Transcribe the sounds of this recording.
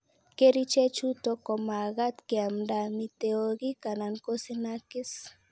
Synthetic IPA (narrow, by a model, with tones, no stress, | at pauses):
ke˦ɾi˦t͡ʃe˦t͡ʃu˦t̪oko˨ma˨ɣa˦t̪ke˨amdamit̪eoɣi˦ka˨nankosinaki˦s